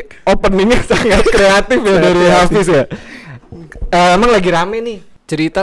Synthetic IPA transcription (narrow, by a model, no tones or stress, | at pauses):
opənːiŋɲasaŋat̪̚kɾeat̪ɪfjadaɾiɦafɪs̬ja | əemaŋlaɡiɾamɛnɪh | t͡ʃəɾit̪a